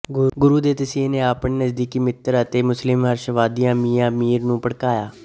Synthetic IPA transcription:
ɡʊɾuːd̪eːt̪əsiːneːaːpɳeːnəzd̪iːkiːmɪt̪əɾət̪eːmʊslɪmɦəɾʃʋaːd̪ijãːmiːãːmiːɾnũːpəɽkaːjaː

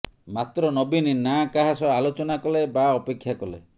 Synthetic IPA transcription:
mat̪ɾɔnɔbininakaɦasɔalot͡ʃɔnakɔlebaɔpekʰːjakɔlḛ

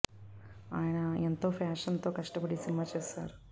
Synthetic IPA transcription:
aːjɐnɐent̪oːpʰaːʂɐnt̪oːkɐʂʈɐpɐɽisinmat͡ʃeːsa̰ːɾu

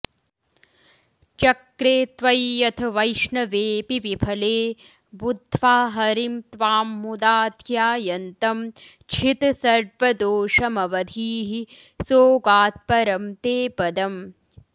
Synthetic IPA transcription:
t͡ʃɐkɾeːt̪ʋɐjːɐt̪ʰɐʋɐjʃɳɐʋeːpiʋipʰɐleː | bud̪ʱʋaːɦɐɾimt̪ʋaːmːud̪aːd̪ʱjaːjɐnt̪ɐm | t͡ʃʰit̪sɐɾʋɐd̪oːʂɐmɐʋɐd̪ʱiːɦisoːɡaːt̪̚pɐɾɐmt̪eːpɐd̪ɐm

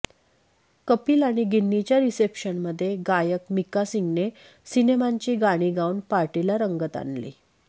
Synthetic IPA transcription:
kəpiːlaɽ̃iɡinːit͡ɕjaɾisepɕənməd̪ʱːjeɡajəkmikasiŋɡne | sinemaɲt͡ɕiːɡaɽ̃iːɡauɳpaɾʈilaɾəŋɡət̪a̰nlḭː

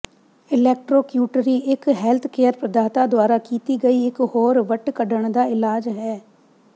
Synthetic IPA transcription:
ɪlɛːk̚ʈɾoːkjuːʈɾiːʔɪkɦɛːlt̪ʰkeːəɾpɾəd̪aːt̪aːd̪ʊaːɾaːkiːt̪iːɡəiːɪkhoːɾʋəʈkəɖəɳ̃d̪aːɪlaːd͡ʒɦɛː

